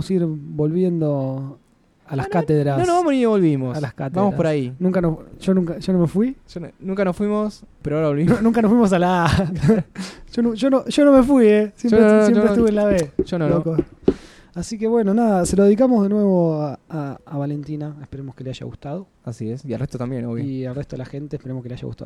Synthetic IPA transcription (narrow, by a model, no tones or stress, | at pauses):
siɾbo̞lβjend̪o | alaskat̪eðɾasnonoβamoniɲeβo̞lβimosalaskat̪b̪amoɾapoɾainũŋkanoʒonũŋkaʒonomefwiʃonũŋkanosfwimospeɾoaoɾaβolβimnũŋkanosfwimos̬ala | ʃonuʒonoʒo̞nome̞fwiesjemɾeosepɾet̪uβenlaβeʒonoloko | asike̞βwe̞nonaðaselo̞ðe̞ð̞ik̬amozðenwe̞βo̞aaːβale̞nt̪inaehpeɾemoskeleaʃa̰ɣṵst̪aðo | asiesia̰elreht̪ot̪ambjenoβjelreht̪oðelaxe̞nt̪eːhpeɾemohkeleaʃa̰ɣṵt̪a̰o